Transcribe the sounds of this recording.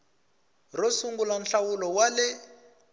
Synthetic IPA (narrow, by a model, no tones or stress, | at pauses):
rosuŋɡulan̩ɬawulɔwalɪ